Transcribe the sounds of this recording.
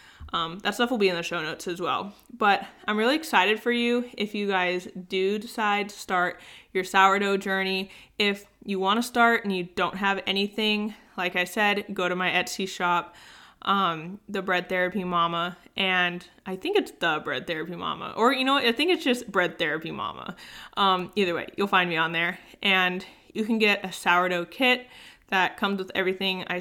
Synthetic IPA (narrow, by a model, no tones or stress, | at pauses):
ʔʌ̃mðætstʌfl̩ˠbiɨ̃nðɨʃoʊnoʊtsɨzwɛ̰lˠb̥ʌɾãɪ̃mɹɪlˠiɨksaɪɾɨd̥fə˞jʉɪfjɨɡaɪzdɨdɨsaɪd̚tʰɨ̥stɑɹt͡ʃə˞saʊə˞ɾoʊd͡ʒɜ˞ñiɪfjɨwɑ̃ɾ̃ɨstɑɹɾɨ̃n̩jɨdõʊ̃nt̚ɦəvɛñiθɪ̃ŋlaɪkaɪsɛd̚ɡoʊɾɨmaɪɛt͡ʃsiʃɑp̚ʔʌ̃mðɨbɹɛd̪̚θɛɹɨpimɑməʔɨ̃nʔaɪθɪ̃ŋkɨtsðəbɹɛ̰d̪̥̚θɛɹɨpimɑ̰mə̰ʔə˞jɨñoʊaɪθɪ̃ŋkɨtsd̥ʒ̥ʌs̚b̥ɹɛd̪̚θɛɹɨpimɑ̰mə̰ʔʌ̃miðə˞wḛɪjɨlˠfãɪ̃nd̚miə̃nðə˞ʔɨ̃n | jɨkɨ̃n̩ɡɛɾʔɨsaʊə˞ɾoʊkʰɪt̪̚ðɨt̚kʰʌ̃mzwəðɛ̰vɹiθɪ̃ŋa̰ɪ